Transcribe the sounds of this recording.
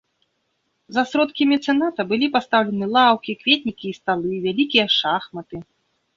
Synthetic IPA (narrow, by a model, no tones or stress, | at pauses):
zɐsɾɔt̪kʲimʲɛt̪sɛnat̪ɐbɨlʲipast̪awlʲɛnɨlˠawkʲikvʲet̪ʲnʲikʲiːst̪alˠɨvʲalʲikʲijɐʂaxmɐt̪ɨ